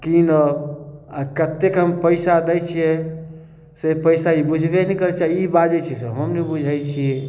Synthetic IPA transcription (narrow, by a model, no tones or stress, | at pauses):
kinə | akət̪ːekɦəmpəɪsad̪ɛjt͡ʃʰie | sepəɪsaibud͡ʒʱbenɛkəɾɛt͡ʃaɦiibad͡ʒet͡ʃʰisəɦəmnibud͡ʒʱajt͡ʃʰiɛ